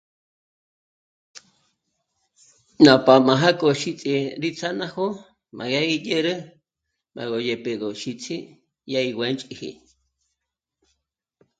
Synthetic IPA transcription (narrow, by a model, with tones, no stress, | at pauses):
na˨pa˨ma˨ɦa˦kʼo˨ʃi˦t͡sʼi˧ɾit͡sʰana˦ho˦ | mʔa̰˨jaijeɾə˦ | ma̰˨ɣo˨je˨peɣo˨ʃit͡sʰi˦ | jaiwant͡ʃʼihḭ